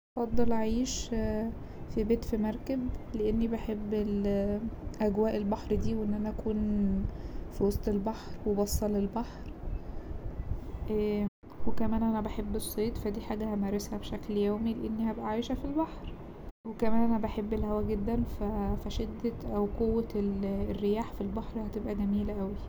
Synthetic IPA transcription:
ɑfɑd̪ˤːɑlaʕiːʃ | fibeːt̪fimæɾˤkæbleʔenːibeħebːel | ʔæɡwæːʔelbɑħɾˤd̪iːweʔenːʔænæʔækuːn | fiwɑsˤt̪ˤelbɑħɾwebɑsˤːɑlelbɑħɾ | ʔæː | wekæmæːnʔænæbaħebːesˤːeːt̪fæd̪iːħaːɡæhæmæɾˤeshæbʃækljæːmileʔenːihæbʔæʕaːjeʃæfilbɑħɾ | wekæmæːnʔænæbæħebːelhæwæɡed̪ːænfæfæʃed̪ːæʔæwkowːæelerːejaːħfilbɑħɾhæt̪ebʔæɡæmiːlʔæwi

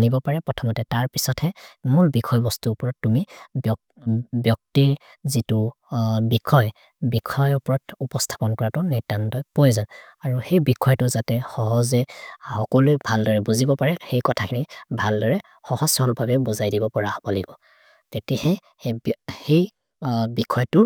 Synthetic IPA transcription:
nibɔpaɹɛpɹɔtʰɔmɔtɛtaɹpisɔthɛmuɹbikʰɔjbɔstupɔɹɔtːumibɔ | bjɔk̚tiɹ | zitu | bikʰɔj | bikʰɔjʊpɔɹɔtupɔstʰḁpɔnkɔɹatʊnitantɔjpɔjzan | aɹuxejbikʰɔjtʊzatɛxɔɦɔzɛhɔkɔlujbʱaldɔɹɛbuzibɔpaɹɛxejkɔtʰakinibʱaldɔɹɛ | xɔhɔsɔlbʱabɛbɔzajdibɔpɔɹabɔliɡɔ | tetihɛ | hej | bikʰɔjtʊ

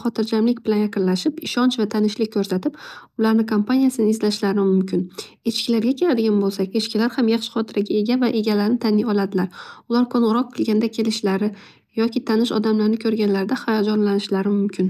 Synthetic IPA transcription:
χɒt̪ʰɪɾd͡ʒamlɪkʲbɪlanjaqɨnlaʃɪpɪʃɒnt͡ʃvat̪ʰanɪʃlɪk̚ʲkʰːɵɾsat̪ɪpʊlaɾnɪkʰompanijasɪnɪɪzlaʃlaɾɪmʊmkʲʰɪn | e̞t͡ʃkʲɪlaɾɡʲakʲʰe̞lad̪ɪɡʲanbolˠsakʲet͡ʃkʲɪlaɾhamjɑχʃɪ̥χɒt̪ʰɪɾaɡʲae̞ɡʲavaʔe̞ɡʲalaɾnɪt̪ʰanɪjɒlad̪ɪlaɾʊlaɾkʰonʁɾɒq̚ːʰɨlˠɡʲand̪akʲʰe̞lɪʃlaɾɪ | jɒkʲʰɪt̪ʰanɪʃɒ̰d̪amlaɾnɪkʲʰɵɾɡʲanlaɾɪd̪aχajɒd͡ʒɒnlanɪʃlaɾɪmʊmkʲʰɪn

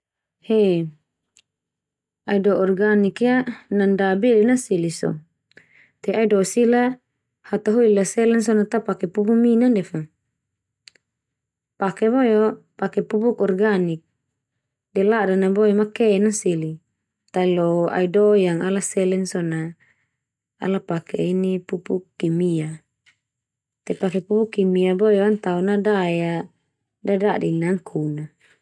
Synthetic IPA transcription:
hɛ | aidɔɔrɡanikjanandabɛdɛnasilisɔ̰ | t̪ɛaidɔsila | hat̪aɦoilasɛlɛnsɔnat̪apakɛpubuminandɛfa | pakɛβɔjɔpakɛpubukɔrɡanik̚ | dɛladanaboimakɛnasili | t̪ailoa̰idojaŋalasɛlɛnsɔna | a̰lapakɛ̰inipupukːimia | t̪ɛpakɛpubukːimiabojoant̪aunadaja | dadadɛnaŋkʰuna

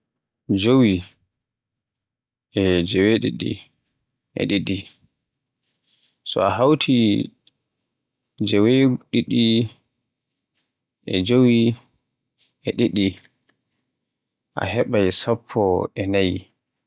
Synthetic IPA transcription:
d͡ʒowi | ʔɛd͡ʒɛweɗiɗḭ | ʔɛ̰ɗiɗi | sɔ̰aɦawtʰi | d͡ʒɛweɡuɗiɗi | ʔɛd͡ʒowi | ʔɛɗiɗi | ʔa̰hɛɓajsapʰːɔɛnaj

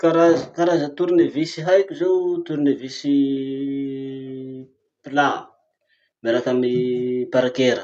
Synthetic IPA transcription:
kaɾazkaɾazət̪uɾunevisiɦajkʲuzewt̪uɾunevisi | pila | meɾakamipaɾakeɾə

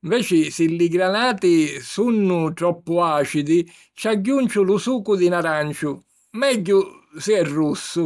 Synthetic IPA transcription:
iɱvɛːt͡ʃɪsɪliɡɾanaːt̪isunːʊt̪ɾɔpːʊaːt͡ʃid̪ɪ | t͡ʃaɟːunt͡ʃʊlusuːkʊd̪inaɾant͡ʃʊ | mɛɟːʊ | siɛrːusːʊ

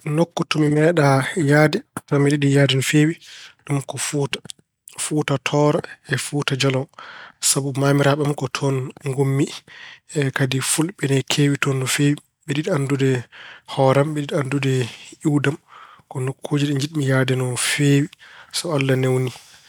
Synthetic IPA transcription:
nokːutɔmimɛːɗajadɛnamiɗiɗijaːdɛnɔfewiɗumkɔfutḁ | futatʰɔːɾaɛfuːtad͡ʒɔlɔsabumaːmiɾaɓɛamkɔtʰɔnŋɡomːiɛkadifulɓɛnɛkʰeːwitɔndɔfewi | ɓɛɗiɗandudɛhɔːɾamɓɛɗiɗandudɛiwdamkɔnokʰːoːd͡ʒiɗɛɲd͡ʒiɗmijadɛnɔfeːwisɔalːanewni

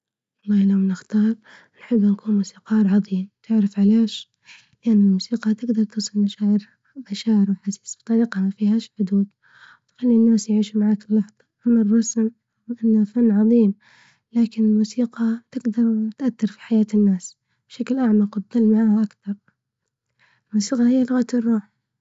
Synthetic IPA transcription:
wɑlˤːɑːhlamnɪxt̪ɑːɾˤ | nħɪbːɪnkuːnmusiːqɑːɾʕɑðˤiːmt̪ʰɪʕɾɪfʕaleːʃ | lɪʔanːɪlmuːsiːqɑt̪ɪɡd̪ɑɾˤt̪uːsˤɨlmaʃaːʕɪɾ | maʃaːʕɪɾwɪħasiːsbt̪ˤɑɾiːqɑmafiːhaːʃħʊd̪uːd̪ | wt̪xalːinːaːsjʕiːʃumaʕaːkɪlːɑħðˤɑʔɪnɪrˤːɑsm | wʔɪnːhafanːʕɑðˤiːm | laːkɪnɪlmusiːqɑt̪ɪɡd̪ɑɾˤt̪ʔaθːɑɾˤfi̥ħajaːt̪ɪnːaːs | b̥ʃaklʔaʕmaqɑd̪ˤːɑlmaʕaːhaʔakθɑɾˤ | ɪlmuːsiːqɑhɪjːalʊɣat̪rˤːuːħ

